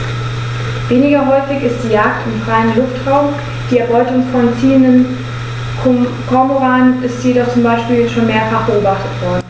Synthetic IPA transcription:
veːnɪɡɐɦɔʏfɪçɪstd̥iːjaːk̚tɪmfʁ̥aɪənlʊftʁaʊm | d̥iːɛɐbɔʏtʊŋfɔnt͡siːəndən | kʰɔɐmoʁaːnʔɪstjedɔχt͡sʊmbaɪʃpiːljɛʃoːnmeːɐfaχb̥əʔoːbaχtətv̥ɔɐdn̩

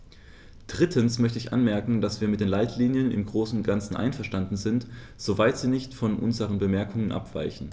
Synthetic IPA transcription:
d̥ʁɪtʰən̩smœçtəɪçʔa̰nmɛɐkŋ̩d̥asv̥iːɐmɪt̚d̥eːnlaɪtʰliːnjənɪ̰mɡʁoːsn̩ɡant͡sn̩ʔa̰ɪnfɛɐʃtandn̩zɪnt | z̥ovaɪtz̥iːnɪçtfɔnʔʊ̰nzəʁ̞ənbəmɛɐkʰʊŋənʔa̰pv̥a̰ɪçn̩

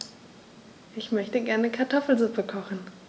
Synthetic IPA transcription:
ʔɪçmœçtəɡɛɐnəkʰaɐtʰɔfl̩zʊpəkʰɔχn̩

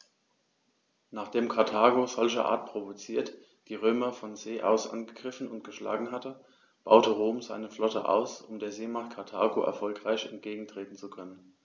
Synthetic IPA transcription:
naːχd̥eːmkʰaɐtʰaːɡozɔlçə̰ʔa̰ːɐt̚pʁ̥ovot͡siːɐt | d̥iːʁøːmɐfɔnzeːʔa̰ʊsʔa̰nɡəɡʁɪfn̩ʊntɡ̥əʃla̰ːɡŋ̩hatə | b̥a̰ʊtəʁoːmzaɪnəflɔtə̰ʔa̰ʊsʊmdeːɐzeːmaχt̚kʰaɐtʰaːɡoʔɛ̰ɐfɔlkʁ̥aɪçɛnt̚ɡ̥eːɡŋ̩tʁ̥eːtn̩t͡sukʰœnən

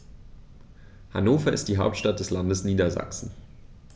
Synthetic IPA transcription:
hanoːfɐɪst̚d̥iːɦaʊp̚tʃtat̚d̥ɛslandəsniːdɐza̰ksn̩

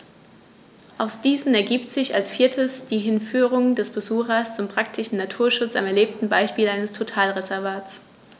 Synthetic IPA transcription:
ʔaʊsd̥iːzn̩ɛɐɡiːptz̥ɪça̰lsfiːɐtʰəsd̥iːɦɪnfyːʁ̞ʊŋdɛsb̥əzuːxɐst͡sʊmpʁ̥ak̚tʰɪʃn̩natʰuːɐʃʊt͡sa̰mɛɐleːp̚tn̩baɪʃpiːlaɪnəstʰotʰaːlʁezɛɐvaːt͡s

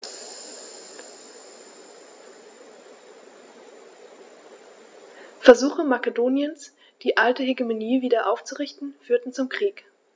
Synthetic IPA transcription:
fɛɐzuːxəmakedoːnjəns | d̥iːʔaltəɦeɡemoniːviːdɐʔaʊft͡suʁɪçtn̩fyːɐtn̩t͡sʊmkʁ̥iːk

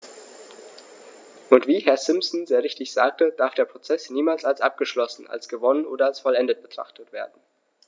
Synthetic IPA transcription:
ʔʊntv̥iːhɛɐsɪmsn̩zeːʁɪçtɪçz̥a̰ːk̚təd̥aɐfd̥eːɐpʁ̥ot͡sɛsniːmaːlsalsʔa̰p̚ɡ̥əʃlɔsn̩a̰lsɡ̥əvɔnənʔoːdɐalsfɔlɛndət̚b̥ətʁ̥a̰χtətv̥eːɐdn̩

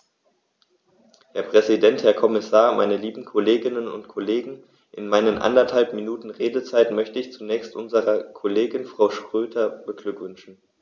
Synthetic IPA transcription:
hɛːɐpʁ̥ɛzidɛnthɛːɐkʰɔmɪsaːɐmʔa̰ɪnəliːbm̩kʰoleːɡɪnənʊ̰ntkʰoleːɡŋ̩ | ʔɪ̰nmaɪnənʔa̰ndɐthalpminuːtn̩ʁeːdət͡saɪtmœçtəɪçt͡sunɛːçstʔʊnzəʁɐkʰoleːɡɪnfʁ̥aʊʃtʁ̥øːtʰɐb̥əɡ̥lʏkv̥ʏnʃn̩

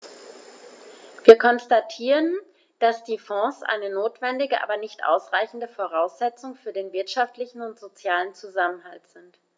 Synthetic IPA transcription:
v̥iːɐkʰɔnstatʰiːʁən | d̥asd̥iːfɔ̃ːsʔa̰ɪnənoːtv̥ɛndɪɡəʔa̰ːbɐnɪçtʔa̰ʊsʁ̥aɪçn̩dəfoʁ̞aʊsz̥ɛt͡sʊŋfyːɐdeːnvɪɐtʃaftlɪçn̩ʊntz̥ot͡sjaːlənt͡suzamənhaltz̥ɪnt

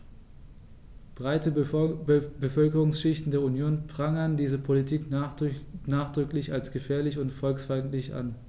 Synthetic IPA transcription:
b̥ʁaɪtə | bəfœlkəʁʊŋsʃɪçtn̩deːɐunjoːnpʁ̥aŋəndiːzəpʰolitʰiːk | naːχd̥ʁʏklɪçalsɡ̥əfɛːɐlɪçʊntfɔlksfaɪntlɪçʔa̰n

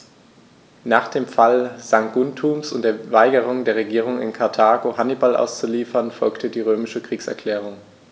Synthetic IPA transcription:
naːχd̥eːmfalzaŋɡ̥ʊntʰuːmsʊ̰nt̚d̥eːɐvaɪɡəʁ̞ʊŋdeːɐʁ̞eɡiːʁ̞ʊŋɪ̰nkʰaɐtʰaːɡohanibalʔa̰ʊst͡suliːfɐnfɔlktʰədiːʁøːmɪʃəkʁ̥iːksɛ̰ɐkʰl̥ɛːʁ̞ʊŋ

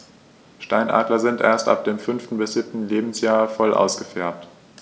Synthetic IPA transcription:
ʃtaɪnʔa̰ːdlɐzɪntʔeːɐstʔa̰p̚d̥eːmfʏnftn̩bɪsz̥ɪp̚tn̩leːbm̩sjaːɐfɔlʔa̰ʊsɡ̥əfɛɐp̚t

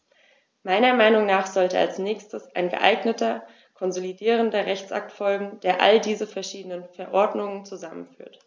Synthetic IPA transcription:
maɪnɐmaɪnʊŋnaːχz̥ɔltəa̰lsnɛːçstəsa̰ɪnɡə̰ʔa̰ɪɡnətɐ | kʰɔnzolidiːʁ̞əndɐʁɛçt͡sʔa̰k̚tfɔlɡŋ̩d̥eːɐʔa̰ldiːzəfɛɐʃiːdənənfɛɐʔɔɐdnʊŋənt͡suzamə̰nfy̰ːɐt

